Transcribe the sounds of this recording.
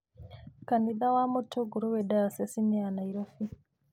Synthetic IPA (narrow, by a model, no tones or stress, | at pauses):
kaniðawamutʰuɡuɾuwedaasesinɛanaiɾofi